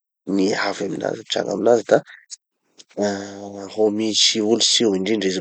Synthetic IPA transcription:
niɦavamila̰zaʈ͡ʂa̰ŋa̰milazad̪a | homisiulusiwiɳɖ͡ʐiɳɖ͡ʐez

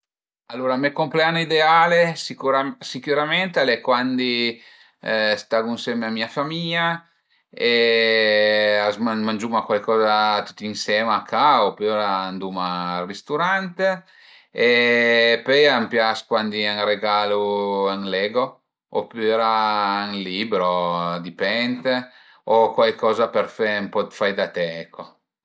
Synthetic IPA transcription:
alːuːɾamekompleanoid̪eaːlesikuɾasikuɾament̪alɛkwand̪i | st̪aɡunsɛmeamiafamiɲa | e | azmamand͡ʒumakwalkɔːzat̪u̥t̪ːinsɛmakʰaopøɾaːnd̪umarist̪uɾant̪e | e | pøjampjaskwand̪iaŋreɡaluaŋlɛːɡo | opyɾaaŋliːbɾod̪ipɛnt̪e | okwajkɔːzapeɾfɛmpɔt̪fajd̪at̪ɛɛkʰːo

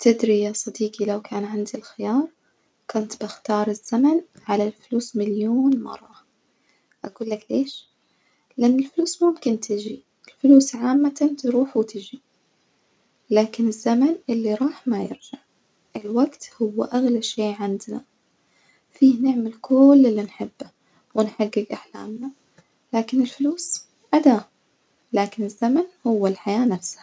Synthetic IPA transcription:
t̪ʰɪd̪ɾijasˤɑd̪iːqilawkʰaːnʕand̪ilxɪjɑːɾˤ | kʊnt̪bɪxt̪ɑːɾˤɪz̥ːamanʕalalfʊluːsmɪljoːnmɑ̰rˤːɑ | ʔaɡuːlːakleːʃ | lʔanːɪlfluːsmʊmkɪnt̪ɪd͡ʒi | ɪlfluːsʕaːmːat̪ant̪ɾuːħwt̪ʰɪd͡ʒi | laːkɪnɪzːamanʔɪlːiɾˤɑːħmajɪ̰ɾd͡ʒaʕ | ʔɪlwaɡt̪hʊwːa̰ʔaɣlaʃeːʕɪnd̪na̰ | fiːhnɪʕmalkʰʊlːɪlːinħɪbːa | wɪnħaɡːɪɡʔaħla̰ːmna | laːkɪnɪlfluːs | ʔad̪aː | laːkɪnɪzːamanhʊwːalħajaːnafsha

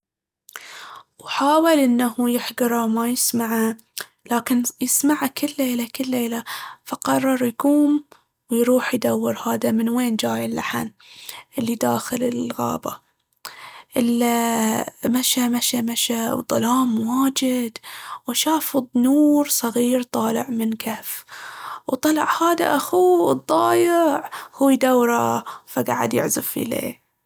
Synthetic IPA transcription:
wħaːwɪlʔɪnːahujɪħɡɑɾˤɑwmajɪsmaʕa | laːkɪnjɪsmaʕakɪlːeːlakɪlːeːlafaqɑrˤːɑɾˤjakuːm | wjɾuːħjd̪awːɪɾhaːd̪amɪnweːnd͡ʒaːjɪlːaħan | ʔɪlːid̪aːxɪlɪlɣa̰ːba̰ | ʔɪl | maʃamaʃamaʃawd̪ˤːɑlɑːmwaːd͡ʒɪd̪wʃaːfɨd̪ˤnuːɾsˤɑɣiːɾt̪ˤɑːlɪʕmɪnkʰaf | wt̪ˤɑlɑ̰ʕhaːd̪a̰ʔaxud̪ˤːɑːjɪʕhuːjd̪awːɾˤafaɡaʕa̰d̪jɪ̰ʕzɪffḭlḛː

